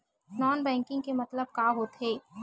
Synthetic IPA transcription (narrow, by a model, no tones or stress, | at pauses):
nɔːnbɛ̃ːŋkɪ̃ŋɡkemɐt̪ləb̚kaːɦoːt̪ɦeː